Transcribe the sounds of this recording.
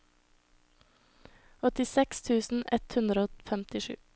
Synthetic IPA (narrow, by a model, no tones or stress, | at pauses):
ɔt̪ɪsɛkst̪ʰʉːsn̩ɛt̪hʉnd̪ɾəoːfɛmt̪ɪʃʉ̰ː